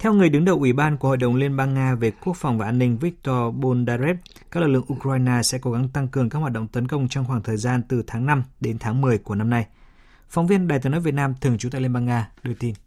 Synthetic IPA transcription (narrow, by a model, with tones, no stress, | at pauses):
t̪ʰɛ˧wŋɨ˨˩əjɗɨ˨˦ŋɗə˨˩wʔi˧˩ɓaː˧nku˧˩əho̰˧˨jɗə̰˨˩wŋ͡mli˧ənɓaː˧ŋːaː˧ve˨˩ku˦˥ək̚fɔ˨˩wŋ͡mvaː˨˩ʔaː˧nːï˧ŋ̟vi˦˥k̚t̪ɔ˧ɓo˧nɗaː˧ze˦˥p̚ | ka˦˥lɨ˨˩lɨ̰˧˨ə˨ʔu˧kaː˧jnaː˧sɛ̰˧˥ko˨˦ɣa˨˦ŋt̪a˧ŋkɨ˨˩əŋkaː˦˥khwaː˨˩ɗə̰˧˨wŋ͡mt̪ə˨˦nkə˧wŋ͡mt͡ɕɔ˧wŋ͡mxwaː˧˩ŋt̪ʰəː˨˩jzaː˧nt̪ɨ˨˩t̪ʰaː˨˦ŋna˧mɗe˨˦nt̪ʰaː˨˦ŋmɨ˨˩əjku˧˩əna˧mna˧j | fɔ˨˦wŋ͡mvi˧ənɗaː˨˩jt̪ɨ˨˦əno̰˨˥˦vt̚naː˧mt̪ʰɨ˨˩əŋt͡ɕu˨˦t̪aː˧˨li˧ɓaː˧ŋaː˧ɗɨ˧˩ət̪i˧n